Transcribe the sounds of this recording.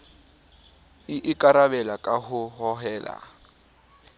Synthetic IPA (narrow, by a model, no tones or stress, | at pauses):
ɪʔɪkʼaɾaβɛlakʼaɦʊɦɔɦɛːla̰